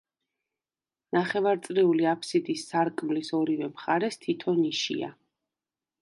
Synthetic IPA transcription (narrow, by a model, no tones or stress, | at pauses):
naχɛvaɾt̪sʼɾɛuliapʰsid̪isːaɾkʼmlisɔɾivɛmχaɾɛst̪ʰit̪ʰɔniʃḭa̰